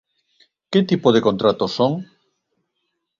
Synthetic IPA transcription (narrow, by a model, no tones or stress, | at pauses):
ket̪ipoð̞ekont̪ɾat̪osoŋ